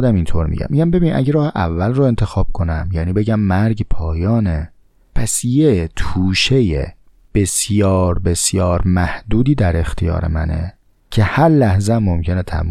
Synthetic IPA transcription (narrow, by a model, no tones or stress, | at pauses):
d̪æmint̪ʰoɾmḭɟæ̰miɟæmbebiːniʔæ̰ɟeɾɒːheʔævːælroe̞nt̪ʰe̞xɒːb̥̚kʰo̞næmjæːniːbe̞ɟæmːæɾɡpʰɒːjɒːne | pʰæsjet̪ʰuːʃe̞jḛ | b̥e̞sjɒːɾbe̞sjɒːɾmæhd̪uːd̪iːd̪æɾe̞xt̪ʰijɒ̰ːɾḛmæ̰ne̞̰ | cʰe̞hæɾlæhzeæmːomcʰe̞net̪ʰæ̰mu